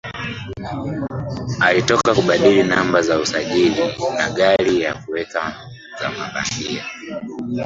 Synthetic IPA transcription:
alitɔkakuɓaɗilinambazausaʄilinaɠalijakuwɛka | za̰maɓa̰mbia

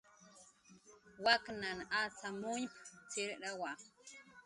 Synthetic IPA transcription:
waknanat͡samʊnpt͡sɪɾɾawa

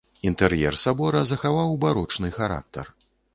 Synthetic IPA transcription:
int̪ɛɾjɛ̰rsabɔɾɐzɐxavawbaɾut͡ʂnɨxaɾa̰k̚t̪ɐ̰r

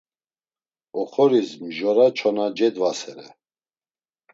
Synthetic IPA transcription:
ɔχɔɾismʒɔɾat͡ʃʰɔnad͡ʒɛd̪vasɛɾɛ̰

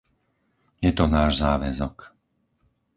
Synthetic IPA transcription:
jɛt̪ɔnaːʒzaːʋɛzɔk

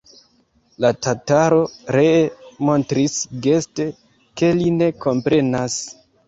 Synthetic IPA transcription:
latataɾo̞ɾemo̞ntɾisɡeste̞ | ke̞line̞ko̞mpɾe̞nas

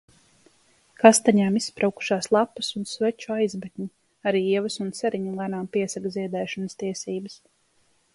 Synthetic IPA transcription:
kast̪aɲaːmisːpɾʔawku̥ʃaːslˠapusunsvɛt͡ʃuajzbɛk̪ʲɲi | aɾiːiɛvɐsunsɛɾiɲulˠanaːmpiɛsakziɛd̪ɛːʃɔnəst̪iɛsiːbəs

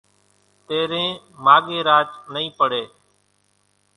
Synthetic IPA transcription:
t̪eːɾẽː | maːɠeːɾaːt͡ʃnəĩːpəɽeː

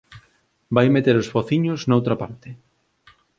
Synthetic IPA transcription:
bajmet̪eɾosfoθiɲʊznaowt̪ɾapaɾt̪ɪ

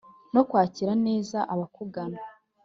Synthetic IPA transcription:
no̞kwaːciɾane̞ːzaʔaβakuɡana

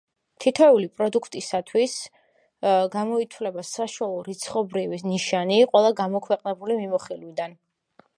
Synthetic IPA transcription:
t̪ʰit̪ʰɛulipʼɾɔd̪ukʰt̪ʼisat̪ʰwis | ɡamɔit̪ʰwlɛbasaʃualˠɔɾit̪sʰχɔbɾiviniʃaniqʼwɛlˠaɡamɔkʰwɛqʼnɛbulimimɔχilwid̪an

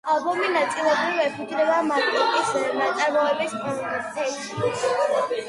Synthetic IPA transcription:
alˠbɔminat̪sʼilˠɛbɾivɛpʰud̪zɾɛbamat̪ʼɔkʼisnat̪sʼaɾmɔɛbispʼɔnist̪ʰɛʃi

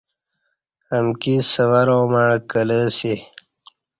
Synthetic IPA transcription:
əmkisəwaɾoːmaɻkələse

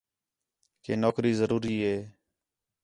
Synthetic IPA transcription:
keːnoːkɾiːzəɾuːɾiːɦeː

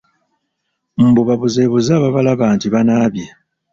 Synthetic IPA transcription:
m̩buβaβuze̞ːβuzaːβaβalaβaːntiβanaːβja

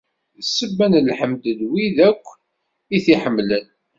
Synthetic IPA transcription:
sːəbːænlħəmd̪ədwiðækʷː | iθiħəmːlən

